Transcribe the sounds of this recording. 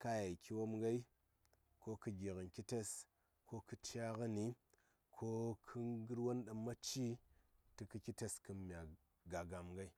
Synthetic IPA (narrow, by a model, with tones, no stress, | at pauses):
ka˦ja˨kʲi˦wo˦mŋɡa˦i˦ | ko˦kɨ˦ɡʲe˨kɨ˨nki˦te˦s | kʰo˦kɨ˦t͡ʃa˦kɨ˦ni˨˦ | kʰo˦kʰɨ˦ɡɨ˦ɾwo˦nɗa˨mːa˦t͡ʃi˦tɨ˦kɨ˦kʲi˦te˦skɨ˦mʲ˨a˨ | ɡa˨ɡa˨mŋɡa˦i˦